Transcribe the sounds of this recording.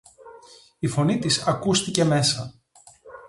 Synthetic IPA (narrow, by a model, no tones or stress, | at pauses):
ifo̞nit̪isɐkust̪ice̞me̞sɐ